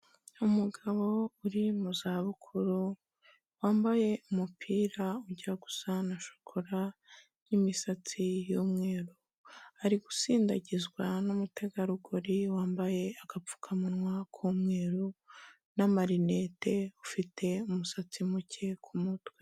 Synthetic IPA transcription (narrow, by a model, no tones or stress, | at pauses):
umuɡaβo̞uɾimuzaβukʰuɾu | waːmbaje̞umupʰiːɾauɟiɾaɡu̥sanaʃo̥kʰoɾa | nimisat͡sijumŋe̞ːɾu | aɾiɡusiːndaɟizɡwanumute̞ɡaɾuɡoɾiwaːmbaje̞aɡ̥ap͡fu̥kʰamunŋwakʰumŋe̞ːɾu | namaɾine̞te̞ufitʰe̞umusat͡simucʰe̞kʰumutwe